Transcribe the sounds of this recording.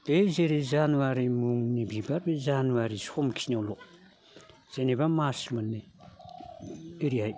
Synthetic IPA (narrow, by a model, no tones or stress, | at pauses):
d̪̥ezeɾezanuaɾimuŋnibibaɾbezanuaɾishomkʰiɲawlo | z̥enebamasimane | eɾiɦaj